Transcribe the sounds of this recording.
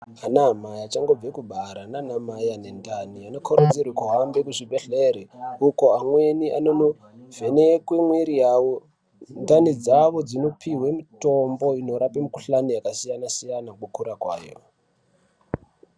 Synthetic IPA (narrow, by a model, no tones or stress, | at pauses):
anamajat͡ʃaŋɡo̞b͡vekubʱaɾananamajane̞ndaniano̞kʰoɾod͡zirwikoɦambekuʐibʱeɬeɾeuko̞amwe̞niʔa̰nono | ve̞nekwemweɾijawo | ndanid͡zaʋo̞d͡zino̞pʰiɦwemito̞mbo̞ino̞ɾapemikuɬanijakasijanasijanakokuɾakwa̰ːjo̰